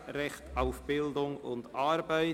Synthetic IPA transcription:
ɾɛχtaʊfb̥ɪldʊŋʊ̰ndɑɾbaɪ

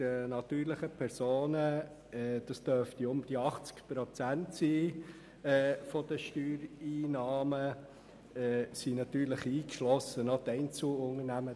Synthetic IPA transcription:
ənɑt̪yːɾləχəpʰɛɾsoːnə | ɛd̥ɑst̪œɾft̪iʊmd̥iɑχt͡skpɾɔt͡sæntsiː | fɔd̥əʃtyːɾiːnɑːmə | ɛsinɑt̪yːɾlɪχiːkʃlɔsːənɔt̪ɛɪnt͡sl̩ʊŋənæmə

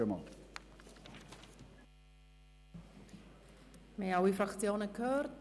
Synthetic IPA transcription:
əmɔlˠ | meawifraχθjoːnəkʰərd

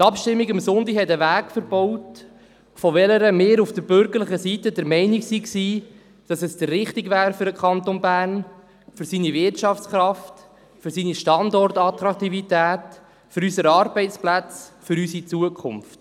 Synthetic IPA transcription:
t̪ɑpʃtɪmːiɡɪmsʊndihɛtəʋæːɡfəɾb̥ɔwt | fɔʋɛləɾəmeːɾufd̥əɾbʏɾɡəɾləχəsitədəɾmɛɪniksiksiː | d̥ɑsɛsd̥ərːɪχtiɡvæːɾfʏɾəkχɑnt̪onbæːrn | fʏɾsiːnivɪrtt͡ʃɑft͡sχɾɑft | fʏɾsiːniʃtɑndɔrtɑtɾɑkt̪ivitæːt | fʏɾysəɾɑːɾbɛɪt͡splæt͡sfʏɾysit͡suəkʰχʊnft

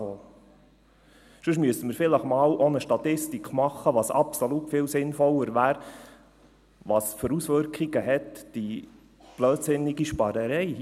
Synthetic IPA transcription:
oː | ʃɵʃmyəsəməɾfɪləχmɑːlʔonəʃtɑt̪ɪstikχmɑχːəʋɑːsɑ̰psolutfɪːlsɪnfɔlːəɾʋæːɾ | ʋɑːsføɾusʋʏɾkχiɡ̥əɦɛt̪d̥i | b̥løːtsɪnːɪɡiʃpɑɾəɾɛɪ

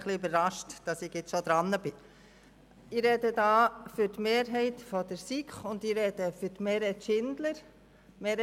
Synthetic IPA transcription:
χlɪøbəɾːɑʃtd̥ɑsɪɡjɪt͡sʃod̪ɾɑnːəb̥ɪ | ɪɾɛdədɑːfʏɾtmeːɾɦɛɪtfɔd̥əɾsikχʊnd̪ɪɾɛd̥əfytmeːɾhɛtʃɪnd̥̪ləɾ | meːɾ

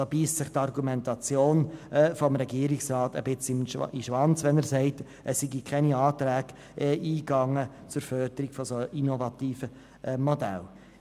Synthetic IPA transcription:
obiːstsɪχtɑrɡumɛntɑt͡sjoːnfɔmɾɛɡiəɾɪksrɑːtə̰b̥ɪt͡smiʃʋɑnt͡sʋɛnæɾsɛɪt | ʔəsːiɡikʰɛniɑːt̪ɾæːɡ̥ | ɛʔiːɡɑŋːət͡sʊɾfœrd̥̪əɾiɡ̥fɔsoʔinɔvɑtiːfə | mɔdæ̰l

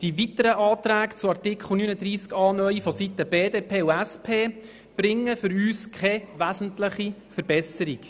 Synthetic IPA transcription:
d̥iʋitəɾəʔɑːt̪ɾæːkt͡suɑrtɪkχl̩ˠnyːnəd̪ɾiːskɑːnœifɔsitəb̥eːdeːpʰeːuæspʰeː | b̥ɾɪŋːəfʏɾyːskχɛʋæzən̩tləχifəɾbɛsəɾik

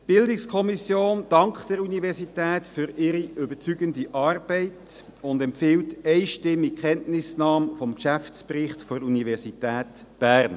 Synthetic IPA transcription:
b̥ɪldɪkskʰɔmisjoːnd̥ɑŋkχd̥ɛɾunivɛʁsitɛːtfʏɾɪɾiʔøbət͡syɡəndiʔɑːrb̥ɛɪt | ʊndɛmpfɪwtɛɪʃtɪmːikχɛntnɪsnɑːmfɔmkʃæft͡spɾɪχtfɔɾunivɛʁsitæːt | b̥æːɾn

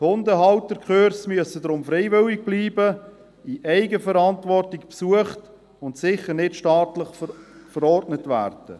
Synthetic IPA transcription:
hʊndəɦɑwtəkχøːɾsmyəsədɾʊmfɾɛɪvɪwɪɡ̚b̥liːbə | iʔɛɪɡəfəɾɑntvɔrtɪkpsuəχt | ʊntsɪχəɾnɪtʃtɑːtləχfəɾɔrdnətvæ̰ːrd̥ə̰

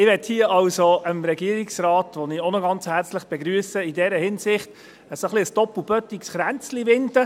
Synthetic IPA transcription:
ɪʋɛthiəʔɑlsoəmɾɛɡiəɾiksrɑːtʋɔniːonɔɡɑnt͡shæɾt͡slɪχb̥eɡɾyəsəidɛːɾəhɪnsɪχt | əsoχliəsd̥ɔpubœt̪ːiksχɾænt͡sliʋɪnd̪ə

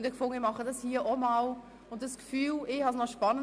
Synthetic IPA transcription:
ndəkfʊŋəəmɑχədɑshiːəʔɔmɑl | ʊnt̚dəskfyːlɪhɑsnɔʃpɑnə

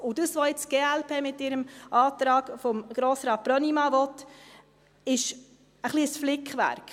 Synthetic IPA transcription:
ʊd̥̪əsʋoɪt͡sɡ̥eːælpʰeːmɪtːɪɾəmɑːt̪ɾɑːɡ̥fɔmɡ̥ɾoːsɾɑːt̪̚b̥ɾœnimɑvɔtː | ɪʃ | əχliəsflɪkχʋæ̰ɾk

